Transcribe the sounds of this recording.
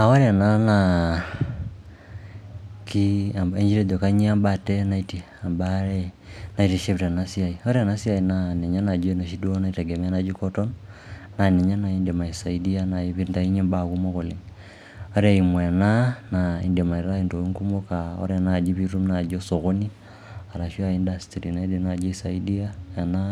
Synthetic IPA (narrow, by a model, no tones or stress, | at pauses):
aɔɾanana | kiambɛɲd͡ʒiɾɛdɔkaɲiambatɛnaiti | ambaɾɛnaitiʃeβiɾanasiaiɔɾɛanasiainanɛɲanad͡ʒɛnaʃiduɔnaitɛɡɛmɛanad͡ʒikɔtɔn | nanɛɲanaindamaisaidianaiβindaiɲimbakumoɣoliŋ | oɾaimwɛnanaḭndiamaiɾaintoiŋkumokao̰ɾɛnad͡ʒiβiɾumnad͡ʒosoɣoni | aɾaʃiaindastɾinaidinad͡ʒiisaidiajana